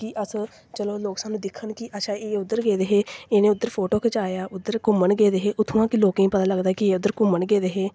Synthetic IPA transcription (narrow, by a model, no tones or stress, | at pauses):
kiʔəs | t͡ʃəloːloːksaːnũːd̪ɪkʰːənkiʔəʃaːeːʊd̪ːəɾɡeːd̪eːɦeːeːneːʊd̪ːəɾpʰoːʈoːkʰət͡ʃaːjaːʔʊd̪ːəɾkʊməɳɡeːd̪eɦeːʔʊt̪ʰːuːãːkɪloːkĩːpət̪aːləɡd̪aːkɪeːʊd̪ːəɾkʊməɳɡeːd̪eːɦeː